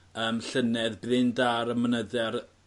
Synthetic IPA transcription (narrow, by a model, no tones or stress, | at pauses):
əːmɬənɛðbðɪndaɾəmənəðɛr